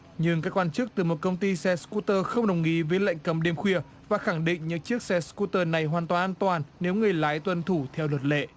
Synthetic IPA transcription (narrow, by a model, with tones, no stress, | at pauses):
ɲɨ˧ŋkaː˦˥kːwaː˧nt͡ɕɨ˦˥ək̚t̪ɨ˨˩mo˨˩t̚kə˧wŋ͡mt̪i˧sɛ˧sku˦˥t̪əː˧xə˧wŋ͡mɗə˨˩wŋ͡mŋi˨˧˥vəː˨˦jla̰˧˨jŋ̟kə˨˦mɗe˧mxwi˧˩ə | vaː˨˩xa˧˩ŋɗḭ̈˧˨ŋ̟ɲɨ̰˧˥ŋt͡ɕɨ˦˥ək̚sɛ˧sku˦˧t̪əː˧na˨˩jɦwaː˨˩nt̪waː˨˩nʔaː˧nt̪waː˨˩nːe˨˦wŋɨ˨˩əjlaː˨˦jt̪wə˧nt̪ʰu˧˩t̪ʰɛ˧wlwə˨˩t̚lḛ˧˨